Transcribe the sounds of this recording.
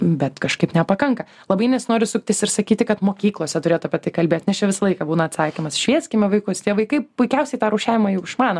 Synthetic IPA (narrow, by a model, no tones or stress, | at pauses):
bʲɛt̪kɐʃkɐɪpnʲɛpɐkɐŋkɐ | lˠɐbɐɪnʲɪsnoːɾʲɪsʊkʲt̪ʲɪsɪrsɐkʲiːt̪ʲɪkɐt̪moːkʲiːklˠoɔsʲɛt̪ʊɾʲeːtʊɐpʲiɛt̪ɐɪkɐlʲbʲeːt̪ʲnʲɛt͡ʃʲɛʋʲɪsɐlˠɐɪkɑbuːnɐt̪sɑːkʲɪmɐsʃʲʋʲiɛsʲkʲɪmʲɛʋɐɪkʊst̪ʲiɛʋɐɪkɐɪpʊɪkʲɛʊsʲɛɪt̪ɑːɾɐʊʃʲæːʋʲɪmɑjɛʊɪʃmɑːnɐ